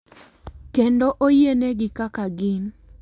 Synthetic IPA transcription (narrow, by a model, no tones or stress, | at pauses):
kendoʔojeneɡɪkakaɡɪn